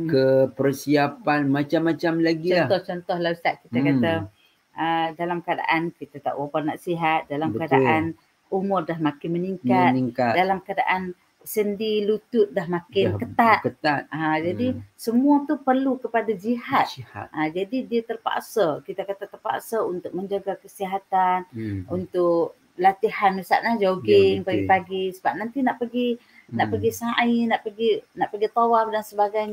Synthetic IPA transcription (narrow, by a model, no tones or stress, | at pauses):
kəpərsiapanmat͡ʃamːat͡ʃamlaɡiɔat̪ɔht͡ʃɔnt̪ɔhlasaʔ̪̚kit̪akat̪a | ədalamkada̰ʔankit̪at̪a̰ʔwaparnaʔsiɦat̪̚dalaməadaʔan | umʊrdahmakɪnməniŋkat̪niŋkadalamkadaʔan | səndilut̪ʊt̪̚daɦmakɪnkət̪at̪̚kət̪at̪̚ad͡ʒadisəmuat̪upərlukəpadad͡ʒiɦat̪a̰ad͡ʒadidiət̪ərpa̰ʔsakit̪akat̪at̪ərpa̰ʔsaunt̪ʊk̚məɲd͡ʒaɡakəsiɦat̪anunt̪ʊkk̚ | lat̪ihanmisa̰ʔlad͡ʒaɡɪŋpaɡipaɡisəbap̚nant̪inaʔpəɡi | naʔpəɡisaʔinaʔpəɡinaʔpəɡit̪awaf̚dansəbaɡajɲ